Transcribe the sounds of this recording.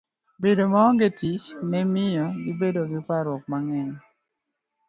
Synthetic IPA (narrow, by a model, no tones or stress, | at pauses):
bedomɔɡetit͡ʃnɛmɪjɔɡɪbedoɡɪpaɾwɔk̚maŋɛɲ